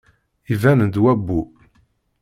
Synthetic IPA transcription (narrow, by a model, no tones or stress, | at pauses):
ivænənd̪wæbːu